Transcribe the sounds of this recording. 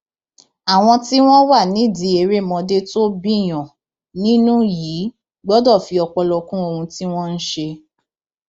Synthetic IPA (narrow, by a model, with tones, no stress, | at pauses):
a˨w̃ɔ̃˧ti˦w̃ɔ̃˦wa˦˨nĩ˨˦˨di˨˧˦e˧ɾe˦˨mɔ̃˧de˦to˦bĩ˦˨j̃ɔ̃˨ | nĩ˦nũ˦jiː˨˦ | ɡ͡bɔ˦dɔ˦˨fi˧ɔ˧k͡pɔ˧lɔ˧kũ˦o˧hũ˧ti˦w̃ɔ̃˦n̩˦ʃe˧